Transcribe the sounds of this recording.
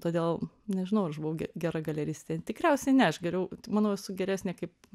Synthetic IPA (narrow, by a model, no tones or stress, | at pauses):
t̪oːd̪ʲeːlˠ | nʲɛʒʲɪnɐʊɐɾɐʃbʊʋɐʊɡʲɛɡʲæɾɐɡɐlʲɛɾʲiːsʲt̪ʲt̪ʲɛt̪ʲɪkɾʲæʊsʲɛnʲɛɐʃɡʲɛɾʲɛʊmɑːnoːɛsʊɡʲɛɾʲæːsʲnʲeːkɐɪp